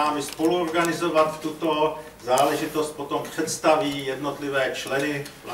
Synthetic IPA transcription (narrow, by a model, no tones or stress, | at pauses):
aːmɪspo̞luoɾɡanɪzovat̪ft̪ut̪o̞ | zaːlɛʒɪt̪ost̪̚pot̪ompr̥ɛt̪st̪aviːjɛdnot̪lɪvɛːt͡ʃlɛnɪ